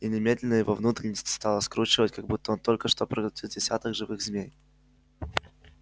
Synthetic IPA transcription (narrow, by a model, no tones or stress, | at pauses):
inʲɪmʲed̪ʲlʲɪnəjɪvovnut̪ɾʲɪnʲəsʲtʲst̪alˠəskɾut͡ɕɪvətʲkɐɡ̚but̪ːəont̪o̞lʲkəʂt̪opɾəɡʊt̪ʲit̪̚dʲɪsʲa̰t̪əɡʐɨvɨɣzʲmʲej